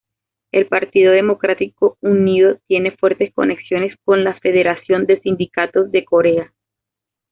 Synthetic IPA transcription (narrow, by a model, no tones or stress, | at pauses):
e̞lpaɾt̪iðoðe̞mo̞kɾat̪iko̞uniðo̞t̪je̞ne̞fwe̞ɾt̪e̞sko̞̰ne̞ksjo̞ne̞sko̞nlafe̞ð̞e̞ɾasjo̞nd̪e̞sind̪ikat̪o̞zðe̞ko̞ɾe̞a